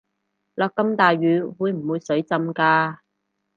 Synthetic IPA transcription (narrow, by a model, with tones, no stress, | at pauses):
lɔː˨˧kːɐ˧mt̪aː˨jɥyː˨˧wuː˨˧jm̩˨˩wuː˨˧jsɵ˨˥ɥt͡sɐ˧mkaː˧